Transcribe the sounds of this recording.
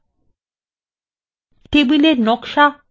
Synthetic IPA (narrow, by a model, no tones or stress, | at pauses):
ʈebileɾnɔkʃa